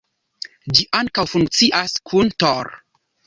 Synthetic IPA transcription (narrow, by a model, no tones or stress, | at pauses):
d͡ʒiʔaŋkawfuŋk̚t͡siʔaskʰuntoɾ